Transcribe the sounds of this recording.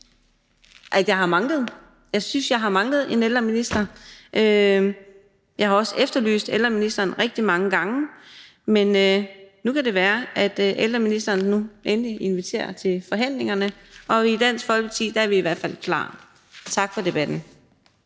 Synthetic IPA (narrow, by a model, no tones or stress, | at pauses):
ʔæd̥jɑ̈ɪɑ̈mɑ̈ŋləð̞̩ˠ | jɑ̈ɪsynsjɑ̈ɪɦɑ̈mɑ̈ŋlð̞̩ˠe̝neld̥ʁɐminisd̥ɐʔø | jɑ̈ɪhɑ̈ɒ̽sefd̥ɐly̰ːsd̥eld̥ʁɐminisd̥ɐːnʁɛɡ̥̚d̥imɑ̈ŋəɡ̥ɑ̈ŋə | menønukʰæd̥e̝ʋæːɐʔæd̥ʔeld̥ʁɐminisd̥ɐːnːuʔenliʔe̝nʋit͡sʰe̝̰ːɐt͡sʰe̝lfɒ̽ɦæn̰le̝ŋɐnəʔɒ̽id̥æn̰sɡ̥fɒ̽lpʰɑt͡sʰḭːd̥ɑæɐʋiiʋæɐd̥fæl̰kʰlɑ̰̈ː | t͡sʰɑ̈ɡ̥fɒ̽d̥e̝b̥æd̥n̩